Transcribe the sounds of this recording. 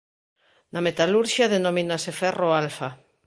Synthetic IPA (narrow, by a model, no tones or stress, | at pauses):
namet̪aluɾʃaðenomĩnasefɛroalfa